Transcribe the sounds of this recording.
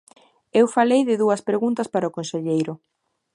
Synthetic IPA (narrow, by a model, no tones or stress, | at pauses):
ewfalejðɪðuɐspɾeɣunt̪ɐspaɾɐokõnseʎejɾʊ